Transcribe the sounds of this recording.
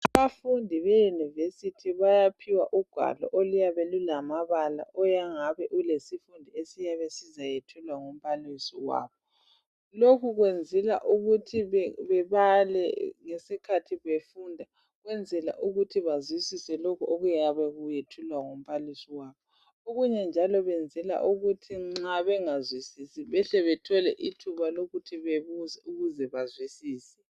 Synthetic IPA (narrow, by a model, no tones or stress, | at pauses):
aβafundʱiβɛjunivesitʰiβajapʰiwaʔuɡ̥ʱwa̰lɔ̰ʔolujaβɛlulamaβala̰ʔɔjaŋaβɛʔulesifundʱiesijaβesizajetʰulwaŋom̩pʰalisiwa̰ːβɔ | lokʰuɣwend͡zʱɛla̰ʔuɣutʰiβɛβalɛ̰ŋesikʰatʰiβefundʱa | ɣwɛnd͡zʱɛla̰ʔuɣutʰiβazwisisɛlokʰuoɣujaβɛɣujetʰulwaŋom̩pʰalisiwaːβɔ | oɣuɲɛnd͡ʒʱalɔβɛnd͡zʱɛla̰ʔuɣutʰiŋ͡ǀaβɛŋazwisisiβɛɬɛβɛtʰɔlɛʔitʰuβaloɣutʰiβeβuzɛuɣuzɛβazwisiːsɛ̥